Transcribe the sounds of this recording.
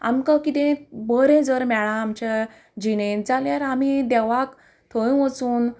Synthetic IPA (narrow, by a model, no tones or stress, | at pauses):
a̰mkakit̪ẽbəɾẽd͡zəɾmɛɭãːmt͡ɕa | d͡ʑined͡zaljaɾam̤id̪ɛʋak | t̪ʰəjũʋət͡suːn